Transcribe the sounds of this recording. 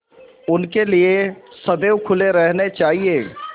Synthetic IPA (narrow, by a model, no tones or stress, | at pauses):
ʊnkeliesɐd̪eːwkʰʊleɾɛɦnet͡ʃaːɦieː